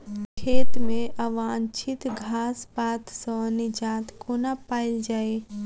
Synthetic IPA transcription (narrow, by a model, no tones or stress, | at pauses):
kʰeːt̪mẽʔəʋãːnt͡ʃʰit̪ɡʱaːsbaːt̪sɔ̃nid͡ʒãːt̪konapaːɪld͡ʒaːe